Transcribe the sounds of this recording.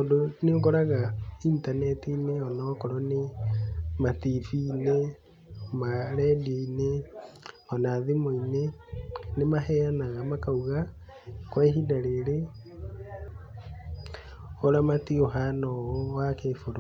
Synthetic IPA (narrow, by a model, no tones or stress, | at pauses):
odonoŋɡoɾaɣaiːntanɛtineɔnɔkɔɾɔne | matifine | maɾɛdeine | ɔnaːðemoinenemaɦɛanaɣamakauɣa | kwɛɦidaɾeɾe | oɾamatioɦanɔɔwakefoɾo